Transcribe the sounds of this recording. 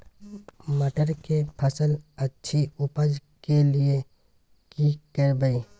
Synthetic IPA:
məʈəɾkepʰəsələtːʃʰiʊpəd͡ʒ | kelie | kikəɾbəi

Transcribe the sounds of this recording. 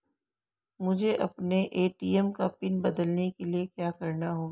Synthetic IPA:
mʊd͡ʒʱeʔɐpneʔeːʈiːɛmkapɪnbɐd̪əlnekeliekjaːkɐɾnaɦoː

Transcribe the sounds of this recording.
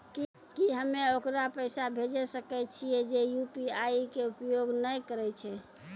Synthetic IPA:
ki | kiɦəmːeokɾapəɪsabʱed͡ʒɛsəkɛt͡ʃʰijɛd͡ʒejupiaikeupjoɡnəjkəɾɛjt͡ʃʰɛ

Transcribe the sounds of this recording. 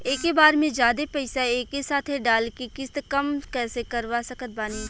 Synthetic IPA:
eːkebaːɾmẽd͡ʒjaːd̪epɐɪsaeːkesaːt̪ʰeɖaːlkekɪst̪kɐmkɛːsekɐɾʋasɐkət̪̚baːniː

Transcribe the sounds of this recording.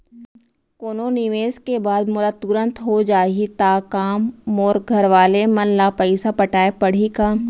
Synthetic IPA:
koːnonɪʋeːskebaːd̪mʊlat̪ʊɾə̃nt̪ɦod͡ʒaːit̪aːkaːmɔːɾɡʱɐɾʋaːlemɐnlaːpəɪsapəʈaːepɐɽ̤ikaː

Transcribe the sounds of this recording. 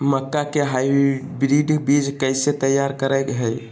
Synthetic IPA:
məkːakeɦajbɾiɖbid͡ʒkəjset̪əjːaɾkəɾəkɦəj

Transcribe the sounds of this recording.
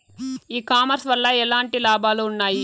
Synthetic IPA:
iːkaːmɐɾsʋɐlːɐɛlaːɳʈilaːbʱaːluːnːaːji

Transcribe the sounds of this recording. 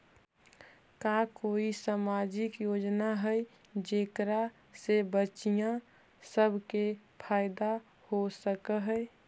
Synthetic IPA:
kakoisamad͡ʒɪkjod͡ʒnaɦəj | d͡ʒeːkɾa | sebət͡ʃijã | səbʱkepʰaːɪd̪a | hosəkəɦə

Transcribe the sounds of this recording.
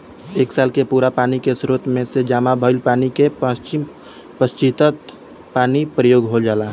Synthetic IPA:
eːksaːlkepuːɾapaːnikesɾoːt̪mẽsed͡ʒaːmabʱəɪlpaːnikeət͡ʃim | pəst͡ʃit̪ət̪ | paːnipɾəjoːɡɦold͡ʒaːlaː

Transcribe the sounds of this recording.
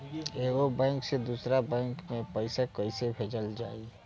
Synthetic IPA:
eːɡobɛ̃ːŋksed̪uːsɾabɛ̃ːŋkmẽpɛɪsakəɪsebʱed͡ʒəld͡ʒaːi

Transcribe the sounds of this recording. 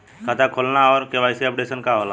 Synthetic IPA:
kʰat̪akʰolnaɔːɾkeʋajseəp̚ɖesənkaɦola

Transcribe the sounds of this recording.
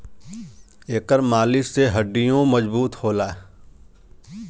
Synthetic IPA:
eːkəɾmaːlɪseɦəɖːijõməd͡ʒbuːt̪hoːlaː

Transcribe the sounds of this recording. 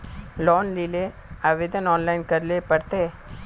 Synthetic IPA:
lɔːnlile | ɐʋed̪ɐnɔːnlɐjnkɐɾlepɐɽt̪e

